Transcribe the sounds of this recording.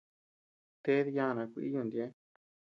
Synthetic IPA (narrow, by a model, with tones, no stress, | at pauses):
t̪e˦ði˧jã˧nã˨˧kʷḭ˧˦jũ˧nd̪je˦